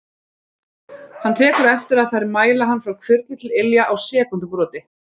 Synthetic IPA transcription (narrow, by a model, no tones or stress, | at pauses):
hant̪ʰɛːkʏɾɛft̪ɪɾaðθajɾɪmaːjlaɦanːfɾawkʰvʏɾt̪ɪt̪ʰɪlɪljaʔawsɛːkʏnt̪pɾɔːt̪ɪ